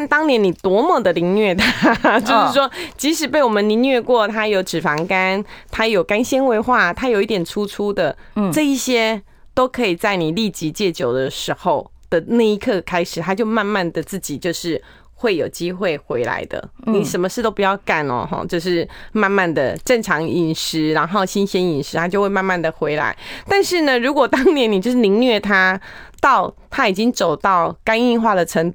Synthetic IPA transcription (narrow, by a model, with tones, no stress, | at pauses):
nt̪ɑ˥ŋnjɛ˧˥ni˨˩t̪wɔ˧˥mɔ˨˩d̪ə˩˨li˧˥ŋnɥɛ˥˩t̪ʰa˥t͡ɕjo˥˧ʊʂɻ̩˥˩ʂwɔ˥t͡ɕi˧˥ʂɻ̩˧˥pe˥˩ɪwɔ˨˩mə˨˦ni˧˥ŋnɥɛ˥˧kwɔ˥˩t̪ʰa˥jo˧˥ʊʈ͡ʂɻ̩˨˩fɑ˧˥ŋka˥nt̪ʰa˥jo˨˩ʊka˥nɕɛ˥nwe˧˥ɪxwa˥˩t̪ʰa˥jo˨˩ʊi˥t̪jɛ˨˩nʈ͡ʂʰu˥ʈ͡ʂʰu˥d̪ə˨ʈ͡ʂɤ˥˧i˥˩ɕjɛ˥ | t̪o˥ʊkʰɤ˧˥i˨˩t͡sa˥˩ɪni˨˩li˥˩t͡ɕi˧˥t͡ɕjɛ˥˩t͡ɕjo˨˩ʊd̪ə˦ʂɻ̩˧˥xo˥˧ʊ | d̪̥ə˨na˥˧ɪi˧˥kʰɤ˥˧kʰa˥ɪʂɻ̩˨˩t̪ʰa˥t͡ɕjo˥˧ʊma˥˧nma˥˩nd̪ə˩t͡sɹ̩˥˩t͡ɕi˨˩t͡ɕjo˥˧ʊʂɻ̩˥˩ | xwe˥˩ɪjo˨˩ʊt͡ɕi˥xwe˥˩ɪxwe˧˥ɪla̰˧˥ɪd̪ə̰˨ni˨˩ʂə˧˥nmə˧ʂɻ̩˥˩t̪o˥ʊpu˨˩t͡ɕjɑ˥˧˩ʊka˥˩nə̰˨˩xɔ̰˥˧˩t͡ɕjo˥˧ʊʂ̬ɻ̩˥˩ma˥˧nma˥˩nd̪ə˩ʈ͡ʂə˥˩ŋʈ͡ʂʰɑ˧˥ŋi˥˩nʂɻ̩˧˥ɻa˧˥nxo˥˩ʊɕi˥nɕɛ˥ni˨˩nʂɻ̩˧˥t̪ʰa˥t͡ɕjo˥˧ʊxwe˥˧ma˥˧nma˥˩nd̪ə˩xwe˧˥ɪla̰˧˥ɪt̪a˥˧nʂɻ̩˥˩nə˨ɻu˧˥kwɔ˨˩t̪ɑ˥ŋnjɛ˧˥ni˨˩t͡ɕjo˥˧ʊʂɻ̩˥˩i˧˥ŋnɥɛ˥˩t̪ʰa˥t̪ɑ˥˩ʊ | t̪ʰa˥i˨˩t͡ɕi˦˥ŋt͡so˨˩ʊt̪ɑ˥˩ʊka˥ni˥˧xwa˥˩d̪ə˩ʈ͡ʂʰə˧˥ŋ